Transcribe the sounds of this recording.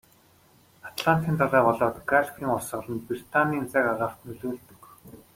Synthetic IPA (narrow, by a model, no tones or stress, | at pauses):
at̪ʰɮant̪iːnt̪ʰaɮæːpɔɮɔːt̪ɡaɮkʲiːŋʊsə̆ɮə̆npir̥t̪ʰaniːnt͡sækaʁaːχt̪nɵɮoːɮt̪ɵ̆k